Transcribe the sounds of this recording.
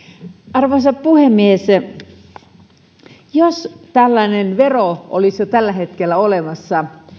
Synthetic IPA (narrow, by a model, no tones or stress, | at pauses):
ɑrʋonsɑppuhemːies | jost̪ælːænenʋeroʔo̰lisjot̪ælːæhet̪kelːæolemɑsːɑ